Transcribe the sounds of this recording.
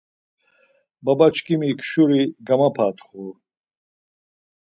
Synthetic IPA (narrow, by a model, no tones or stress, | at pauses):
babat͡ʃʰkʼimiːkʰʃuɾiɡamapʰat̪ʰχu